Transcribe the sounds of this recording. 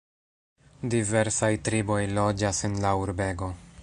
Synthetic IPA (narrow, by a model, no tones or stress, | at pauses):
dive̞ɾsajtɾibo̞jlo̞d͡ʒasenlauɾbe̞ɡo̞